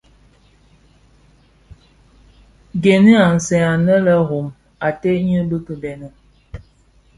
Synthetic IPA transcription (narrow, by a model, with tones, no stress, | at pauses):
ɡe˨ni˦a˨n̩˨sɛ˨a˨nə˦lə˦ɦo˨m | a˨te˦ɲə˦bə˦kə˨dɛ˨nə˨